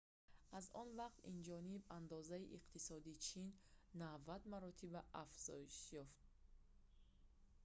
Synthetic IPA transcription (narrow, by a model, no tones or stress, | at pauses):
ʔazɔnvaqt̪ind͡ʒɔniband̪ɔzaiʔiqt̪ʰisɔd̪it͡ʃʰinːavad̪maɾɔt̪ʰibaafz̥ɔ̰iʃjɔft̪̚